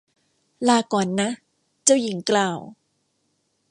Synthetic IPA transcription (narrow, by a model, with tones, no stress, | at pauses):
laː˧kɔː˨˩nːa˦˥ | t͡ɕa˥˩wji˩˦ŋklaː˧˩w